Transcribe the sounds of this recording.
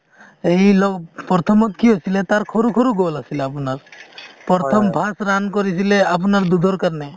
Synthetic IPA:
ejlɔɡpɔɾt̪ʰɔmɔt̪kiɦɔsilet̪aɾkʰɔɾukʰɔɾuɡɔlasileapunaɾpɔɾt̪ʰɔmpasɾankɔɾisileap̬unaɾd̪ud̪ʱɔɾkaɾne

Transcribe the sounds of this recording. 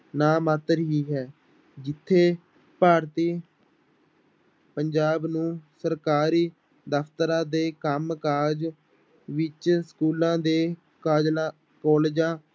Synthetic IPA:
naːmaːt̪əɾɦiːɦɛː | d͡ʒɪt̪ʰːeː | paːɾt̪iː | pəɲd͡ʒaːbnũːsəɾkaːɾiː | d̪əpʰt̪əɾãːd̪eːkəmkaːd͡ʒ | ʋɪt͡ʃskuːlãːd̪eː | kaːd͡ʒla | kɔːleːd͡ʒãː

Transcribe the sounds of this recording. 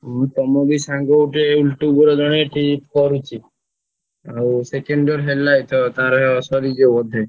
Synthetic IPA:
t̪ɔmɔbisaŋɡɔʈeulʈubɔɾɔd̪ɔɽ̃eʈip̚kɔɾut͡ʃʰi | awsekeɳɖɔɾɦelːajt̪ʰɔt̪aɾɦsɔɾid͡ʒebɔd̪ʱe

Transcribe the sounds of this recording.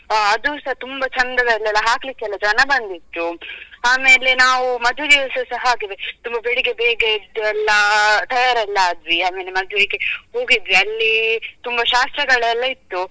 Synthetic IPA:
aɐd̪usɐɦɐt̪umbɐt͡ʃʰɐnd̪ɐdɐɛlːɛlːɐɦaːklikːeɛlːɐd͡ʒɐnɐbɐnd̪it̪ːuaːme̞ːle̞naːʋumɐd̪ʱʋed̪iʋɐsɐsɐɦɐaːɡiʋet̪umbɐbeɽiɡebeːɡed̪ɛlːɐt̪ɐjaːɾɐlːɐd̪ʋiaːmeːle̞mɐd̪ʱjeɡe̞ho̞ːɡid̪ʋiɐlːit̪umbɐʃaːst̪ɾɐɡɐɭɛlːɐit̪ːu

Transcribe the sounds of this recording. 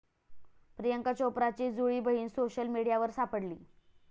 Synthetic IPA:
pɾijəŋkat͡ɕopɾat͡ɕiːd͡zuɭiːbəɦiːnsoɕəlmiɽijaʋəɾsapəɽliː

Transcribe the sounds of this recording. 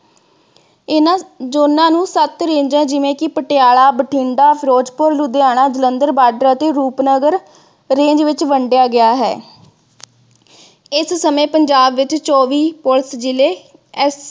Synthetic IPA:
ɪnːd͡ʒoːnãːnũːsət̪ɾẽːɲd͡ʒãːd͡ʒɪʋẽːkɪpəʈɪjaːɭaːbəʈʰiːɳɖaːpʰɾoːd͡ʒpʊɾlʊd̪eːaːɽ̃aːd͡ʒələnd̪əɾbaːɖəɾaːt̪eːɾuːpnəɡəɾ | ɾẽːɲd͡ʒʋɪt͡ʃʋəɳɖɪjaːɡɪaːɦɛ̰ː | ɪssəmẽːpəɲd͡ʒaːbʋɪt͡ʃt͡ʃɔːʋiːpʊlsd͡ʒɪleː | ɛs

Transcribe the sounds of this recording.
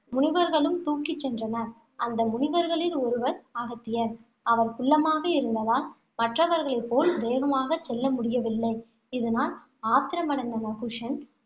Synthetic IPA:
mʊɳɪʋɐɾɣɐɭɯmt̪uːkːɪt͡ʃːɛndrɐnɐ | ɐnd̪ɐmʊɳɪʋɐɾɣɐɭɪlɔɾɯʋɐɾaːɣɐt̪ːɪjɐɾ | ɐʋɐɾkʊɭːɐmaːɣɐɪɾɯnd̪ɐðaːl | mɐʈrɐʋɐɾɣɐɭɐɪpːoːlʋ̪eːɣɐmaːɣɐt͡ʃːɛlːɐmʊɽɪjɐʋɪlːɐɪ | ɪðɯnaːl | aːt̪ɪɾɐmɐɽɐnd̪ɐnɐɣɯʂɐn

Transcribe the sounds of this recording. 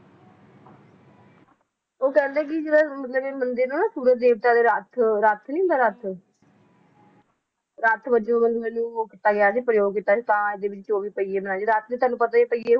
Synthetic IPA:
oːkɛ̃ːnd̪eːk̬ɪd͡ʒɪãːmət̪ləbeːmənd̪ɪɾnũːnãːsuːɾət̪̚d̪eːʋt̪aːd̪eːɾat̪ʰɾat̪ʰnĩːʊnd̪aːɾat̪ʰ | ɾaːt̪ʰbəd͡ʒːmənd̪eːnũːoːkɪt̪aːɡɪjaːsiːpəɾəjoːɡkɪt̪ːaːsiːt̪ãːɪd̪eːʋɪt͡ʃt͡ʃoːʋiːpəiːeːmənãːd͡ʒiːɾaːt̪ʰnĩːt̪ʰaːnũːpət̪aːepəieː

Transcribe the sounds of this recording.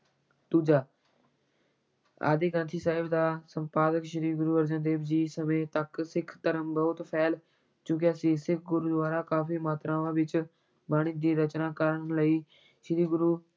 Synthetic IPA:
d̪uːd͡ʒaː | a̰ːd̪ɪːkãnt̪ʰiːsaːɦɪbd̪aːsə̃mpaːd̪əkʃəɾiːpɡʊɾuːəɾd͡ʒə̃nd̪eːbd͡ʒiːsəmẽːt̪əksɪkʰt̪əɾəmbəʊt̪pʰɛːl | t͡ʃũːk̬ɪəsĩːsɪkʰɡʊɾuːd̪ʋaːɾaːkaːpiːmaːt̪ɾãːʋãːʋɪt͡ʃ | baːɽ̃iːd̪iːɾət͡ʃnaːkəɾəɽləiː | ʃəɾiːɡʊɾuː

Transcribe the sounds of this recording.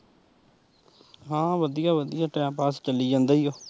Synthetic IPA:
ɦãːʋəd̪ijaːʋəd̪ijaːʈɛ̃ːmpaːst͡ʃəlːiːd͡ʒãːnd̪aːijoː

